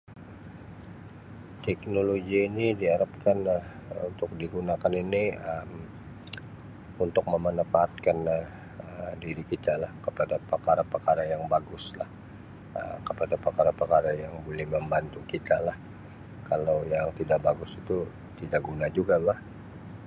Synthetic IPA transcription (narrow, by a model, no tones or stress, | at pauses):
t̪ɛk̚noloɡiːnidiɦaɾap̚kanah | ṵnt̪ʊk̚diɡunakaniniəm | unt̪ʊk̚məmənəfaɦat̪̚kanəh | ədiɾikit̪alahkəpadapərkaɾapərkaɾajaŋbaɡʊsla̰h | ə̰mkəpadapərkaɾapərkaɾajaŋbolɛhməmbant̪ukit̪alah | kalawjaŋt̪idaʔbaɡʊsit̪u | t̪idaʔɡunad͡ʒuɡalah